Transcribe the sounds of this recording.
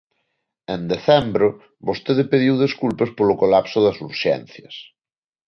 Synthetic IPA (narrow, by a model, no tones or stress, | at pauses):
ẽnd̪eθɛmbɾo | βost̪eðepeðiwðeskulpespolokolapsʊðɐsuɾʃɛ̰n̟θjɐs